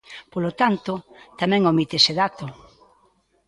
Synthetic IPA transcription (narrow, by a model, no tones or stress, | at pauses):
polot̪ant̪ʊt̪amɛ̃ŋomit̪eseðat̪o